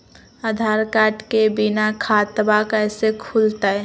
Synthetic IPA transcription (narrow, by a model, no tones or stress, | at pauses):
ad̪ʱaːɾkaːʈkebinakʰaːt̪əbaːkɛːsekʰult̪aɦɛ